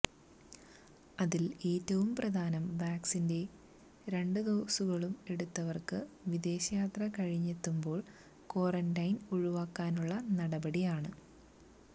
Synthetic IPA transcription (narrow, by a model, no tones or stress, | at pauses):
ɐðileːtːɐʋumprɐd̪ʱaːnɐmʋaːksinde̞ | ɾe̞ɳɖɨd̪oːsuɣɐɭume̞ɽut̪ːɐʋɐrkɨʋid̪e̞ːɕɐjaːt̪rɐkɐɻiɲːet̪ːumbo̞ːɭ | ko̞ːrɐndɐjnuɻuʋaːkːaːnuɭːɐnɐɽɐbɐɽijaːɳɨ